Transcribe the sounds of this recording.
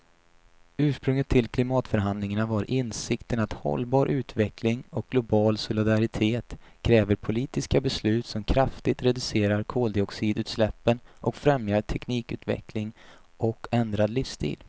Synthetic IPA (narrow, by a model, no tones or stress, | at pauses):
ʉ̟ːʂpɾɵŋət̪ʰːɪlkʰlɪmɑːt̪fœɾɦand̪lɪŋanavaɾʔɪnsɪkt̪ənat̪hɔ̰lbɑːɾʔʉ̟ːt̪vɛkʰlɪŋɔk̚ɡ̥lʊbɑːlsʊlɪd̪aɾɪt̪ʰeːt̪kʰɾɛːvəɾpʰʊliːt̪ɪskabɛslʉ̟ːt̪sɔmkʰɾaft̪ɪt̪ɾɛd̪ɵseːɾaɾkʰoːld̪ɪɔksiːd̪ʉ̟ːt̪slɛpːənʔɔkfɾɛmjaʈʰɛkniːkʉ̟ːt̪vɛ̰kʰlɪŋ | ʔɔkʰːɛnd̪ɾad̪lʏfst̪ʰḭːl